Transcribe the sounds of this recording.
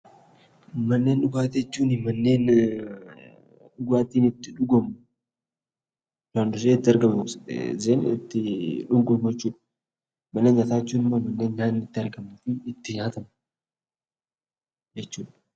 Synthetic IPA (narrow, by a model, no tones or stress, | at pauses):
mɐnːe̞ːnɗʊɡaːt̪ɛɪt͡ʃːuːnɪmɐnːe̞ːn | ᶑʊɡaːt̪ːiːnɪt̪ːɪᶑʊɡɔmʊ | naːnd̪ʊs̬eːɪt̪ːɪɐɾɡɐmʊszeːnɪ̰t̪ːɪᶑʊŋkʼʊɡɛt͡ʃːuːᶑɐ̥ | mɐnːe̞ːnɐt̪aːɪt͡ʃːuːnɪmːomɐnːe̞ːnɲaːnɪt̪ːɪɐɾɡɐmɐfɪɪt̪ːɪɲaːt̪ɐmɐ | d͡ʒɛt͡ʃːuːᶑɐ̥